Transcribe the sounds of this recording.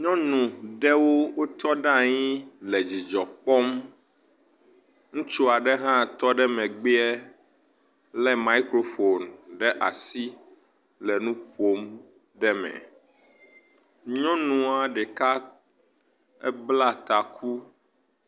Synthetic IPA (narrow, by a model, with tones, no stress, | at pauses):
ɲɔ̃˦nũ˨ɖɛ˦wo˦wo˦t̪ɔ˦ɖã˦˨ɲĩ˦lɛ˨d͡ʑi˨d͡ʒɔ˨k͡pɔ˦m | ŋũ˦t͡ʃu˦a˨ɖɛ˦ɦã˦˨t̪ɔ˦ɖɛ˦mɛ̃˨ɡ͡be˦ɛ˦ | lɛ˦ma˦i˦kɾo˦fo˨nɖɛ˦ʔa̰˨si˦ | lɛ˨nũ˦ɸo˦m | ɖɛ˦mɛ̰̃˨ | ɲɔ̃˦nũ˨a˨ɖɛ˨ka˦ | ɛ˦bla˦t̪a˨kʰu˦